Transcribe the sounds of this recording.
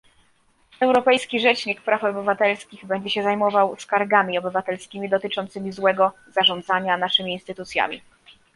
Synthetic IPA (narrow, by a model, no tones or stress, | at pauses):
ɛwɾɔpɛjskʲiʐɛt͡ʂɲikpɾafɔbɘvat̪ɛlskʲiɣbɛɲd͡ʑɛɕɛzajmɔvawskaɾɡamʲiɔbɘvat̪ɛlskʲimʲid̪ɔt̪ɘt͡ʂɔnt̪sɘmʲizwɛɡɔzaʐɔnd̪zaɲanaʂɘmʲiːnst̪ɘt̪ut̪sʲja̰mʲḭ